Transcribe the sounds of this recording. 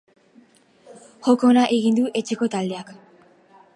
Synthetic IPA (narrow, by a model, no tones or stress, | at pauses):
xo̞konaʔeɣind̪uʔe̞t͡ʃeko̞t̪ald̪e̞ak